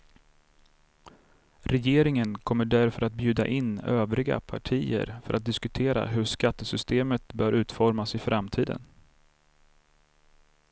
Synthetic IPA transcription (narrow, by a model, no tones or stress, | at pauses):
ɾɛjeːɾɪŋənkʰɔmːəɖæɾfœɾat̪̚bjʉ̟ːd̪a̰ʔɪnːøːvɾɪɡa̰pʰaʈʰiːə̰ɾfœ̰ɾʔat̪̚d̪ɪskɵt̪ʰeːɾa̰ɦɵʂkat̪ːəsʏst̪eːmət̪̚bœːɾʉ̟ːt̪fɔɾmasɪfɾamt̪ʰiːd̪ə̰n